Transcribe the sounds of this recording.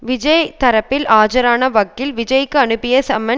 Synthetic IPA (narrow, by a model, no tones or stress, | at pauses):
ʋɪd͡ʒɐjt̪ɐɾɐpːɪlaːd͡ʒɐɾaːnɐʋɐkːɪlʋɪd͡ʒɐjkːɯɐnɯpːɪjɐsɐmːɐ